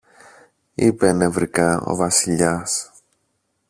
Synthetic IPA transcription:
ipene̞vɾikɐo̞̰vɐsiʎɐs

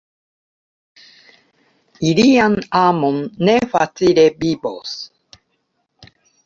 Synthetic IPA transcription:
iɾianamõnːeɸa̰t͡siɾebibo̰s

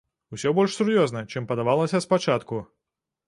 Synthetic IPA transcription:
usʲɔbɔlʲʂsurjɔznɐt͡ʂɨmpɐd̪avalˠɐsʲɐspat͡ʂat̪ku

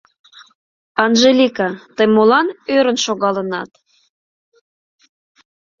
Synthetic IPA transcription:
ɑnʒelʲikɑt̪əjmolɑnøɾənʃoɣɑlənɑt̪

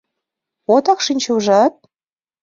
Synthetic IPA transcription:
ot̪ɑkʃinʲt͡ɕuʒɑt̪̚

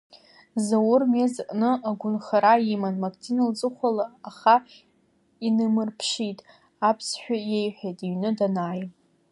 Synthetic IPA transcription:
zawʊrmezʔʼnɨaɡʷʊnχaɾaimanmakʼt͡sʰinald͡zʼɨχʷalaːχa | inɨmɨrpʰʃitʼ | apʰsħᶣajejħʷᶣejtʼiɥnɨdanaːj

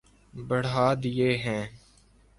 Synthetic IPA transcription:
bəɽ̤aːd̪ɪjeːɦɛ̃ː

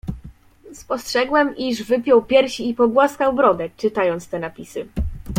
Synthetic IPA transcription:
spɔstʂɛɡwɛmiʐvɘpʲjɔwpʲjɛɾɕiːpɔɡwaskawbɾɔd̪ɛk̚t͡ʂɘt̪ajɔnt̪st̪ɛnapʲisɘ

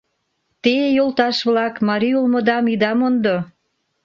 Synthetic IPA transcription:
t̪ejolt̪ɑʃβlɑkmɑɾiulmŏd̪ɑmid̪ɑmond̪o

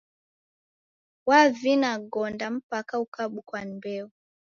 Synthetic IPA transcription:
wavinaɡɔndam̩pakaukaɓukwanbɛu

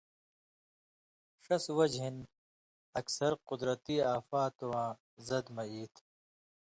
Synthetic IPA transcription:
ʂɐswɐd͡ʑɦin | ɐksɐɾqʊd̪ɾɐt̪iːaːfaːt̪owãː | zɐd̪mɐiːt̪ʰ

